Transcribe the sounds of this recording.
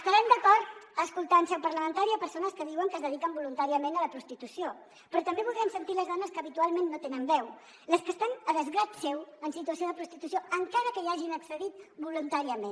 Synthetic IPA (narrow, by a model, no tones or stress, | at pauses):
əst̪əɾɛmd̪əkɔɾt̪əskulˠt̪ansɛwpəɾləmənt̪aɾiəpəɾsonəskəðiwəŋkəzðəðikəmbulunt̪aɾiəmẽnələpɾust̪it̪usio | pɾɔt̪əmbeβulˠɾɛmsənt̪iləzðanəskəːβit̪ualˠmẽnːot̪enəmbɛw | ləskəst̪anəðəzɣɾat̪sɛwənsit̪uəsioðəpɾust̪it̪usioəŋkaɾəkəiaʒinəksəðit̪bulunt̪aɾiəmen